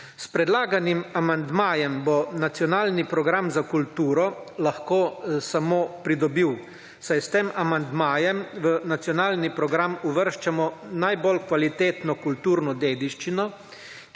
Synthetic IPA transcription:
spɾɛd̪laːɡanimamand̪maːjɛmbɔnat̪sjɔnaːlnipɾɔɡɾamzakult̪uːɾɔlaxkoːsamoːpɾid̪ɔbiːw | sajst̪eːmamand̪maːjɛmʋənat̪sjɔnaːlnipɾɔɡɾamuʋəɾʃt͡ʃamɔnajbɔlkʋalit̪eːt̪nɔkult̪uːɾnɔd̪eːd̪iʃt͡ʃinɔ

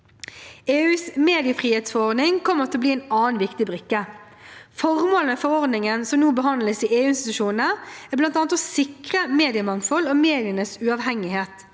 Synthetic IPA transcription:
eːʉːsmeːd̪ɪəfʁiːheːt̪sfɔʁɔʁd̪nɪŋkʰɔmːəʁt̪ʰlɔbliːæɛnɑːənʋɪkt̪ɪbʁʏkːə | fɔʁmoːlənəfɔʁɔʁd̪nɪŋənsɔmnuːbəɦɑnd̪ləsiːeːʉːɪnst̪ɪt̪ʉʃuːnnəæblɑnt̪ɑːnət̪ɔsɪkʁəmeːd̪ɪəmɑŋfɔloːmeːd̪ɪənəsʉɑːʋɦɛŋɪheːt̪

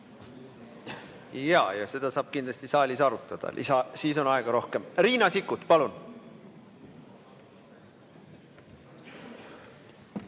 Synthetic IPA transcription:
jɑːjɑse̞d̪̥ɑsɑːb̥̚kind̪lɑst̪isɑːlʲisɑɾut̪ːˑɑd̪̥ɑ̰lʔḭsɑsiːso̞nɑeɡ̥ɑɾo̞hke̞mriːnɑsikːˑut̪ˑpɑlun

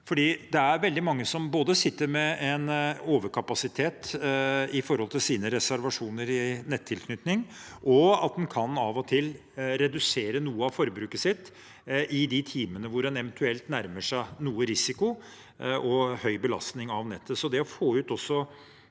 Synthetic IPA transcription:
fɔɖiːd̪ɛæɾʋɛld̪ɪmɑŋːəsɔmboːd̪əsɪt̪ːəɾmɛɛnoːʋəɾkʰɑpɑsɪt̪ʰeːt̪ | ɪfɔɾhɔlt̪ʰɪlsiːnəɾɛsæɾʋɑʂuːnəɾɪnɛt̪ʰːɪlkʰnʏt̪nɪŋʔɔɑ̰t̪̚mɛnkʰɑnɑːʋɔt̪ʰɪl | ɾɛd̪ʉseːɾənuːəɑʋfɔɾbɾʉːkəsɪt̪ː | ʔɪd̪ɪt̪ʰiːmənəʋʊɾɛnɛʋənt̪ʰʉɛlt̪næɾməʂæɪnuːəɾɪsɪkʊ | ʔɔhœʏbəlɑ̰st̪nɪŋɑʋnɛt̪ʰːəsɔd̪ɛɔfoːʉːt̪ɔsːɔ

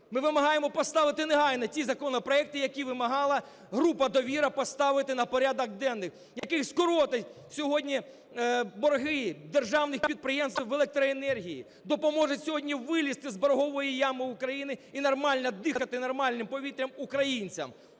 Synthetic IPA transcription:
mɪʋɪmɐɦɑjemɔpɔst̪ɑʋɪt̪ɪneɦɑjnɐtʲizɐkɔnɔpɾɔɛk̚t̪ɪjɐkʲiʋɪmɐɦɑlˠɐ | ɦɾupɐd̪ɔʋʲiɾɐpɔst̪ɑʋɪt̪ɪnɐpɔɾʲad̪ɐɡ̚d̪ɛnːɪx | jɐkɪxskʊɾɔt̪ɐ | sʲɔɦɔdʲnʲi | bɔrɦɪd̪erʒɑwnɪxpʲid̪̚pɾɪjemst̪ʋelˠek̚t̪ɾɔenɛrɦʲijḭ | d̪ɔpɔmɔʒʊtʲsʲɔɦɔdʲnʲiʋɪlʲist̪ɪzbɔɾɦɔʋɔjijamɪukɾɐjinɪinɔrmɑlʲnɐd̪ɪxxɐt̪ɪnɔrmɑlʲnɪmpɔʋʲit̪ɾʲɐmukɾɐjinʲt͡sʲɐ̰m

